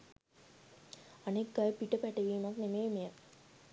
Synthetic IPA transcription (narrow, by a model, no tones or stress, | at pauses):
anekːajpiʈəpæʈeʋiːmaknemeːmejə